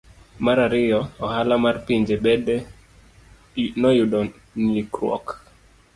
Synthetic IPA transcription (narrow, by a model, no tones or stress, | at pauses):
maɾaɾɪjɔɔhalamarpiɲd͡ʒebɛdɛ | nɔjudɔ | nikɾwɔ̰k